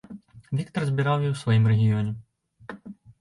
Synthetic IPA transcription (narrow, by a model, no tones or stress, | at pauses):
vʲikt̪ɐrzʲbʲiɾawjiwsʋɐjimrɛɣʲijɔnʲɛ